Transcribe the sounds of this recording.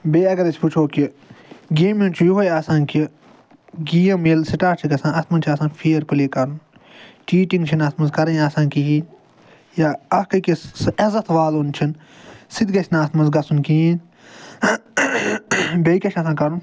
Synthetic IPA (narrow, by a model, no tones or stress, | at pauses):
beːɐɡɐɾɐsʲput͡ʃʰoːki | ɡeːment͡ʃʰujuʋɐjasãːnki | ɡijɐmeːlsiʈaːt͡ʃʰiɡɐsãːnɐt̪mɐnt͡ʃʰiɐsãːnpʰiːɐɾpɨleːkɐɾun | t͡ʃiːʈĩŋɡt͡ʃʰinɐt̪mɐnzkɐɾɐ̃jaːsãːnkijiːn | jaːɐkɐkisɐzɐt̪ʰʋaːloːnt͡ʃʰin | sid̪ɡɐsʲnaːst̪mɐnzɡɐsunkiiːn | bɐikʲɐt͡ʃʰɐsãːkɐɾun